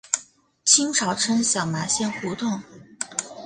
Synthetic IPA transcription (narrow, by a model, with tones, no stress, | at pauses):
t͡ɕʰi˥ŋʈ͡ʂʰɑ˨˩ʊʈ͡ʂʰə˥nɕjɑ˨˩ʊma˧˥ɕjɛ˥˩nxu˧˥t̪ʊ˥˩ŋ